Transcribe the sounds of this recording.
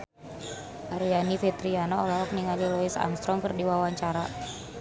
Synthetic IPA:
ʔaɾijanifit̪ɾianɔːlɔɔk̚niŋalilɔisa̰ŋst̪ɾɔŋkərdiwawaɲt͡ʃaɾa

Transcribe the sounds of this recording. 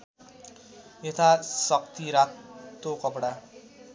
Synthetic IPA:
et̪ʰasʌk̚t̪iɾat̪ːokʌpɽa

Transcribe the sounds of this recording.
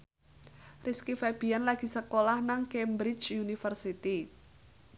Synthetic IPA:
riskifɛb̥i̤anlaɡ̥i̤səkolahnaŋkembɾit͡ʃunifərsit̪i

